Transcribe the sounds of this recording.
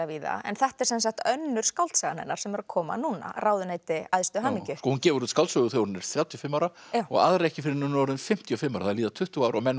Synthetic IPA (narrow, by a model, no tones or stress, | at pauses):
aviːða̰ɛ̰nθɛht̪ɛɾ̥sɛns̬axt̪œnːʏɾ̥skawlt̪sɛɣanɛ̰nːaɾ̥sɛmɛɾakʰɔːma̰nuːna̰ɾaːwðʏneːjt̪ɪajðst̪ʏɦaːmicʏskɔhuncɛːvʏɾut̪skalt̪sœɣʏθjownɛɾ̥θjawt̪ʰjɔfɪmːawɾaawɔ̰ɣa̰ːðɾaɛhcɪfɪɾɪɾnʏnɔːɾʏnfɪm̥t̪ʰiɔfɪmːawɾaθaðliːðat̪ʰʏht̪uaːwɾɔɣmɛnː